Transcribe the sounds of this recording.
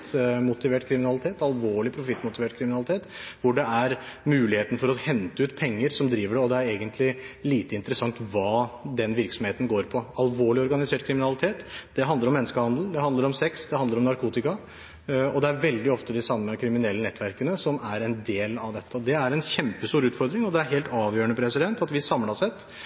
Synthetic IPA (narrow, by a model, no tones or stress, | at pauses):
t̪mʊt̪ɪʋeːʈkʰɾɪmɪnɑlɪt̪ʰeːt̪ɑlʋoːɭɪpʰɾʊfɪt̪ːmʊt̪ɪʋeːʈkʰɾɪmɪnɑlɪt̪eːt̪ʋʊɖɛæɾmʉːlɪheːt̪ənəfɔɾɔhɛnt̪əʉːt̪pʰɛŋːəɾsɔmd̪ɾiːʋəɖɛɔd̪ɛæɾeːɡənt̪ʰlɪliːt̪əɪnt̪əɾəsɑŋt̪ʋɑːd̪ɛnʋɪɾksɔmheːt̪n̩ɡoːɾpʰɔɑlʋoːɭɪɔɾɡɑnɪseːʈkʰɾɪmɪnɑlɪt̪ʰeːt̪d̪̥ɛɦɑnd̪əɾɔmːɛnːəskəhɑnd̪l̩d̪ɛhɑnd̪əɾɔmsɛksd̪ɛhɑnd̪əɾɔmnɑɾkʰuːt̪ɪkɑ | ɔd̪ɛæɾʋɛld̪ɪɔft̪əd̪ɪsɑmːəkʰɾɪmɪnɛlːənɛt̪ʰːʋæɾkənəsɔmæɾɛnd̪eːlɑʋd̪ɛt̪ʰːəɔd̪ɛæɾɛnçɛmpəst̪uːɾʉːt̪fɔɾd̪ɾɪŋɔd̪ɛæɾɦeːlt̪ɑːʋjøːɳəpʰɾɛsɪd̪ɛnt̪ɑt̪ʋɪsɑmlɑsɛt̪ː